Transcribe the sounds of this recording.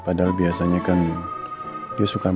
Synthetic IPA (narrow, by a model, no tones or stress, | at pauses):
padalbiasaɲakan | diasuka